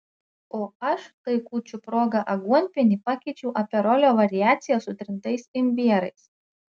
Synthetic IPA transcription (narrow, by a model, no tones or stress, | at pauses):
oːɐʃkɐɪkuːt͡ʃʲʊpɾoːɡɐʔɐɡuɔnʲpʲɪnʲiːˑpɑkʲɛɪt͡ʃʲɛʊʔɐpʲɛɾɔlʲoːʋɐɾʲɪjæːt̪sʲɪjɛsʊt̪ʲɾʲɪnt̪ɐɪsɪmʲbʲiɛɾɐɪs